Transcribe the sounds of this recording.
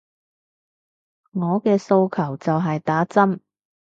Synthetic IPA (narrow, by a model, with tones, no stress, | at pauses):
ŋɔː˨˧kɛː˧so˧wkʰɐ˨˩wt͡sɐ˨wɦɐ˨jt̪aː˨˥t͡sɐ˥m